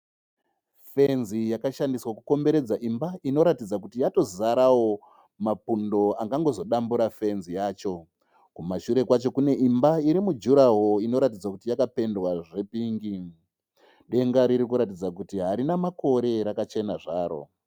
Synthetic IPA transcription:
fe̞nzijakaʃandiswakuko̞mbe̞ɾe̞d͡zaʔimbaino̞ɾatid͡zak̬utijato̞zaɾawo̞ | mapundo̞aŋɡaŋɡo̞zo̞ɗambuɾafe̞nzijaːt͡ʃo̞ | kumaʃuɾe̞kwat͡ʃo̞kune̞ʔimbaiɾimud͡ʒuɾaɦo̞ino̞ɾatid͡zwakutijakape̞ndwaʐe̞piːŋɡi | ɗe̞ŋɡaɾiɾikuɾatid͡zakutiɦaɾinamako̞ɾe̞ɾakat͡ʃe̞naʐaːɾo̞̰

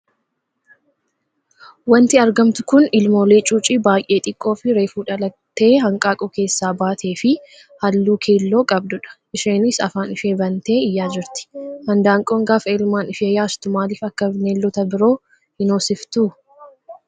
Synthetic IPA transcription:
wɐnt̪ɪɐɾɡɐmt̪ʊ̥kʊnɪlmo̞ːleːt͡ʃʼuːt͡ʃʼiːbaːjʔe̞ːt̪ʼɪkʼːo̞ːfɪɾe̞ːfuːᶑɐlɐt̪ːe̞ːɦɐŋkʼaːkʼɔke̞ːsːaːbaːt̪ʰe̞ːfɪ | hɐlːuːkʰe̞ːlːo̞ːkʼɐb̚d̪ʊᶑɐ̥ʔɪʃeːnɪsɐ̰faːnɪfe̞ːbɐnt̪e̞ːɪjːaːd͡ʒɪɾt̪ɪ̥hɐnd̪aːŋkʼoːŋɡaːfeɪlmaːnɪfeːjaːst̪ʊmaːliːfɐkːɐbneːlːɔt̪ɐbɪɾo̞ː | hɪnoːsɪft̪uː

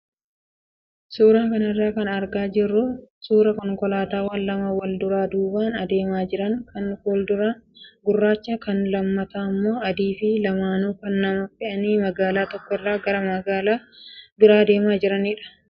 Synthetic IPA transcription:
suːɾaːkɐnɐrːaːkɐnɐɾɡaːd͡ʒɪrːʊsuːɾɐkɔŋkɔlaːt̪aːwɐnlɐmɐwɐld̪ʊɾaːd̪uːbaːnɐd̪e̞ːmaːd͡ʒɪɾɐŋkɐnɔld̪ʊɾɐɡʊrːaːt͡ʃːakɐnlɐmːɐt̪aːmːo̞ːɐd̪iːfɪlɐmaːnuːkɐnːɐmɐfɪʔɐniːmɐɡaːlaːt̪ɔkːɔrːaːɡɐɾɐmɐɡaːlaːbʊɾaːd̪e̞ːmaːd͡ʒɪɾɐnɪᶑɐ̥

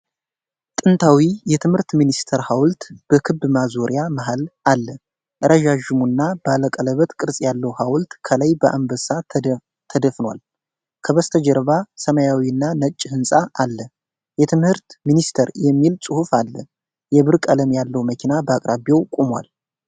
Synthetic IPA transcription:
t̪ʼɨnt̪ʰawijɛt̪ʰɨmhɨɾt̪minist̪ʰəɾhawlt̪b̥əkʰɨbːmazoɾijaməɦalalːə | ʔɨɾʔəʒaʒɨmunːab̥əaləkʼələβət̪kʼɨɾsʼjalːəwhawlt̪kʰələjbəʔambəsa | t̪ʰəd̪əfnwa̰l | kʰəβəst̪ʰəd͡ʒɛɾβasəməjawiɨnːanət͡ʃʼːhɨnsʼaʔalːə | jɛt̪ʰɨmhɨɾt̪minist̪ʰəɾjɛmːilsʼɨhufalːə̰ | jɛβɨɾkʼələmjalːəwməkʰinabəakʼɾaβjewkʼumwa̰l

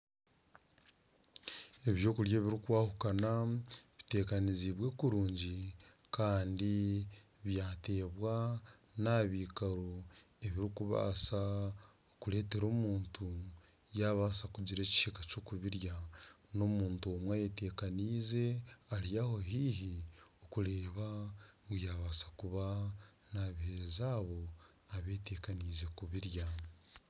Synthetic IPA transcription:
e̞βjo̞ːkuɾjeːβiɾikuwaːhukanaβite̞ːkaniziβwe̞ːkuɾuːɲɟi | kaːndi | βjaːte̞ːβwanaβikaɾo | e̞βiɾikuβa̰sa | okule̞ːte̞ɾo̞ːmuːntu | jaβaːsakuɟiɾe̞ːci̥ʃikat͡ʃoːkuβiɾja | no̞muːntuomwajete̞kaniːze̞aɾijaho̞ɦiːɦiokuɾeːβaŋɡujaːβaːsḁkuβa | naβihezaːβo̞ | aβe̞ːte̞kaniːze̞kuβiɾja

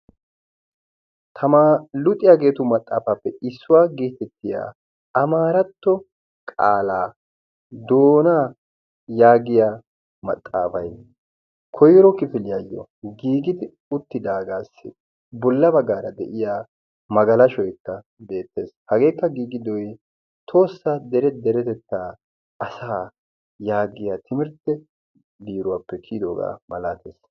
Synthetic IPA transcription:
t̪ʰɐmaːlʊt̪ʼːɪjaɡe̞ːt̪ʊmɐt̪ʼːa̰ːfapːɛɪsːʊwaːɡiːt̪ːɛt̪ːɪja̰ː | ɐmaːɾɐt̪ːɔ | kʼa̰ːlaː | d̪o̞ːnaː | jaːɡɪjaː | mɐ̰t̪ʼːa̰ːfɐj | kʰɔjɾɔkɪfɪlɪjajːɔ̰ɡiːɡɪd̪ɪ | ʊt̪ːɪd̪aːɡaːsːɪ̰ | bɔlːɐbɐɡːaːɾɐd̪ɛʔɪjaː | mɐɡɐlɐʃɔjkːɐ | be̞ːt̪ːe̞ːshɐɡe̞ːkːɐɡiːɡɪd̪ɔj | t̪ʰo̞ːsːad̪ɛɾɛd̪ɛɾɛt̪ɛt̪ːaː | ʔɐsaː | jaːɡɪjat̪ʰɪmɪɾt̪ːɛ | biːɾʊwaːpːɛkʰiːd̪o̞̰ːɡa̰ːmɐlaːt̪ḛːs

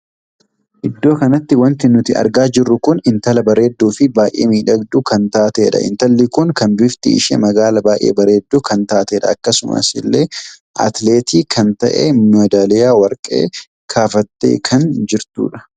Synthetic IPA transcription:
ʔɪd̪ːo̞ːkɐnɐt̪ːɪwɐnt̪ɪnʊt̪ɪɐ̰ɾɡaːd͡ʒɪrːʊkʊnɪnt̪ɐlɐbɐɾe̞ːd̪ːuːfɪbaːʔḛːmiːᶑɐɡd̪ukɐnt̪aːt̪e̞ːᶑɐ̰ʔɪ̰nt̪ɐlːikʊŋkɐnbɪft̪ɪ̰ɪ̰ʃḛːmɐɡaːlɐbaːʔḛːbɐɾe̞ːd̪ːuːkɐnt̪aːt̪eːᶑɐ̰ːkːɐsʊmʔɐ̰sɪlːeː | ʔɐ̰t̪le̞ːt̪iːkʰɐnt̪ɐʔḛːmnʊɐd̪aːlɛjaːwɐɾkʼːe̞̰ː | kʰaːfɐt̪ːḛːkʰɐnd͡ʒɪɾt̪ṵːᶑɐ̥

